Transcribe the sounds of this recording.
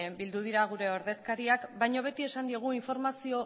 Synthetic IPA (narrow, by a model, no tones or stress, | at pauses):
mbild̪uð̞iɾaɣ̞uɾe̞o̞ɾðe̞skaɾiakbajɲo̞β̞e̞t̪ie̞sand̪ie̞ɣ̞uiɱfo̞ɾmasio̞